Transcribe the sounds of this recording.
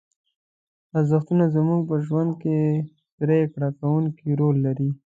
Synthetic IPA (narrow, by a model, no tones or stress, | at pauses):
azəxt̪unazəmuɡpəʒwand̪̚ke | pɾekɽakawuŋkiɾolːaɾi